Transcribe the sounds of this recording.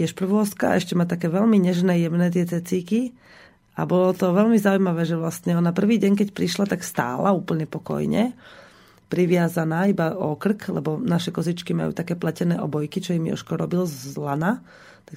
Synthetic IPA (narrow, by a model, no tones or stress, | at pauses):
ɛʃpr̩ʋʊɔskaa̰ʔɛʃcɛmat̪akɛːʋɛlmiɲɛʒnɛːjɛmnɛːt̪̬ɪɛt͡sɛt͡siːki | a̰bɔlɔt̪ɔʋɛlmizaujmaʋɛːʒɛʋlast̪ɲɛɔnapr̩ʋiːɟɛɲk̬ɛcpɾiʃlat̪akst̪a̰ːlauːpl̩ɲɛpɔkɔ̰jɲɛ̰ | pɾiʋɪazanaːibaɔkr̩klɛ̰bɔnaʃɛkɔzit͡ʃkima̰jṵːt̪akɛːplɛcɛnɛːʔɔbɔjkit͡ʃɔjimḭɔ̰ʃkɔɾɔbilzlana | t̪ak